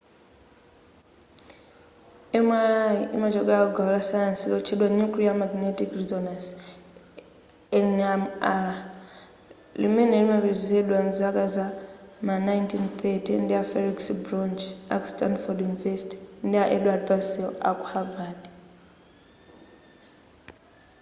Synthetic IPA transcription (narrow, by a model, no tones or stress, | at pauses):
ɛmwaɾaiʔḭmat͡ʃɔkaakuɡaulasajansilɔt͡ʃʰɛɗwanukliamaɡinetikrizɔnas | ɛnamaɾa | limɛnɛlimaβizɛɗwam̩zakazamanajntint̪ʰɛtindiafɛɾiksbɾɔnd͡ʒa̰ku̥standfɔdjunivɛsi̥ti̥ndiaʔɛɗwad̚pasɛla̰ku̥havad